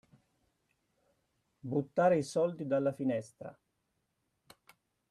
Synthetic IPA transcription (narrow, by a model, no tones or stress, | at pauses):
but̪ːaːɾeisɔld̪id̪alːafinɛst̪ɾa̰